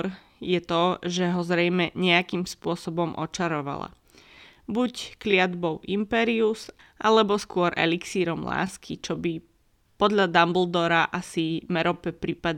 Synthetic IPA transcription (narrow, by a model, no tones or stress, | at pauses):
ɾ | jɛt̪ɔʒɛɦɔzɾɛjmɛɲɛakimspʊɔsɔbɔmʔɔ̰t͡ʃaɾɔʋa̰la̰ | bucklɪad̪bɔʊʔimpɛːɾius | ʔalɛbɔskʊɔɾʔɛ̰liksiːɾɔmla̰ːskit͡ʃɔbi | pɔd̪ʎad̪ambl̩d̪ɔɾaʔasimɛɾɔpɛpɾipad̪